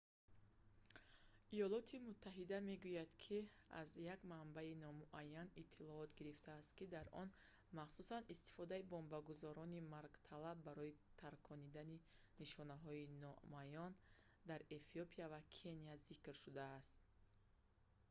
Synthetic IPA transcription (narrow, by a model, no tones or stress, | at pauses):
ʔijɔlɔt̪ʰimut̪ʰːaɦid̪ame̞ɡujad̪kʰia̰zjaɡmambainɔmuʔajːanit̪ʰːilɔɔt̪ɡiɾift̪ʰaːst̪kid̪aɾʔɔn | maχsusanist̪i̥fɔd̪aibombaɡuzɔɾɔnimaɾɡt̪ʰalabːaɾɔit̪ʰaɾkʰɔnid̪ani | niʃɔnaɦɔinɔmajɔn | d̪aɾe̞fiopʰiavakʰe̞nijazikɾʃud̪aːst̪̚